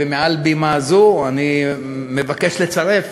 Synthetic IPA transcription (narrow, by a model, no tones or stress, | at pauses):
emealbimazuani | me̞vake̞ʃle̞t͡saʁe̞f